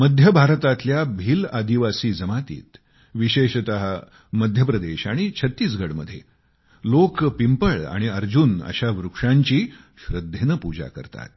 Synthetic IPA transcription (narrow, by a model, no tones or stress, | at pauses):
məd̪ʱjəbʱaɾt̪at̪ljabʱiːlad̪iʋasiːd͡zəmat̪ḭːt̪ | ʋiɕeɕt̪əɦa | məd̪ʱjəpɾəd̪eɕaɽ̃it͡ɕʰət̪ːiːs̬ɡʱəɽməd̪ʱːjḛ | lokpimpəɭa̰ɽ̃iəɾd͡ʑunə̰ɕaʋɾukʂaɲt͡ɕiː | ɕɾəd̪ʱːenəpud͡ʑa̰kə̰ɾt̪a̰t̪̚